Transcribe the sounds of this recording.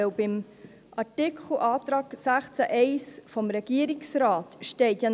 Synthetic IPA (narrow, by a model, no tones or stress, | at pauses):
ɛwbɪm | ʔɑɹtɪkχl̩ʔɑːt̪ɾɑːɡ̥sæχt͡sæʔɛɪsfɔmɾɛɡ̥iəɾiksɾɑːtʃtɛɪt̪jan